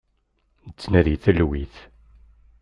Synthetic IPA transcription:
t͡sːnæðiθəlwiθ

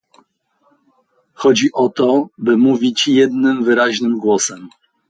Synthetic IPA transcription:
xɔd͡ʑiʔɔt̪ɔbɘmuvʲit͡ɕjɛd̪nɘmvɘɾaʑnɘmɡwɔsɛm

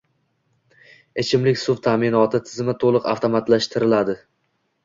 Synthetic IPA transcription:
e̞t͡ʃʰɪmlɪkʲsʊvt̪ʰamɪnɒt̪ʰɪt̪ʰɪzɪmɪt̪ʰolˠɨqa̰ft̪ʰomat̪laʃt̪ʰɪɾɪlad̪ɪ

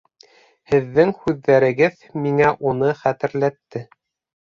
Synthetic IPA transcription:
hɘ̆ðːɘŋhʉðːæɾɘ̆ɡɘð | miŋæʔunɤχæt̪ɘ̆ɾlæt̪ːɘ

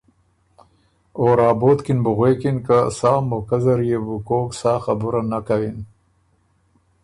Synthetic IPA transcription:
oːɾɑːboːt̪kɪnbʊɣwekinkasaːmokazaɾjebukoːksɑːxabʊɾanakawin

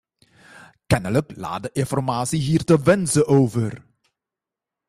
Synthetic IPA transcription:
kɛnələkla̰ːdəʔɪnfɔrmaːsiɦiːrtəʋɛnzəʔoːvər

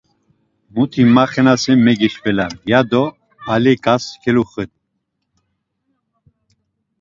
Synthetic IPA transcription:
mut̪ʰimaχɛnasɛmɛɡiʃpɛlajad̪ɔ | alɛkʼaskʰɛluχɛt̪̚

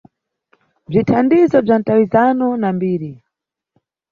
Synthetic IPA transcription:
b͡ʐitʰandizɔb͡ʐan̩tawizanɔnambiːɾi

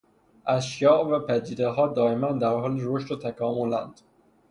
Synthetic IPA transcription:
ʔæzʃjɒːʔvæpʰæd̪iːd̪eɦɒːd̪ɒːemænd̪æɾhɒːliɾoʃt̪ot̪ʰækʰɒːmolæ̰nd̪̥

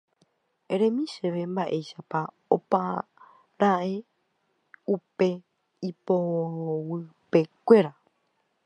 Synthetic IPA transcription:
eɾẽmĩʃeʋe̞mbaʔe̞jʃapa | opa | ɾae | upe̞ | ipooowɨpe̞kʷe̞ɾa

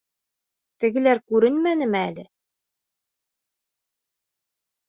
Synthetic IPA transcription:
t̪ɘ̆ɡɘ̆læɾkʉɾɘnmænɘ̆mɘælɘ

